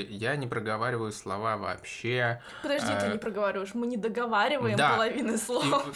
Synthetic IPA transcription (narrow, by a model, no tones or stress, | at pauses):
janʲɪpɾəɡɐvaɾʲɪvəjʊslˠɐ̰vavɐ̰ːpɕːe | pəd̪ɐʐdʲit̪ɨnʲɪpɾəɡəvaɾʲɪvəjɪʂmɨnʲɪd̪əɡɐvaɾʲɪvəjɪmd̪apəlˠɐvʲinɨslˠo